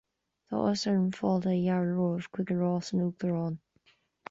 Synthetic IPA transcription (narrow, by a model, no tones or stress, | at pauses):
ðɔ̰ʔəsəɹənfɔlˠdəjaɹɹoːɹ̥kʰw̥ɪɡəɹɔːsənuːɡ̚ðəɹɔːn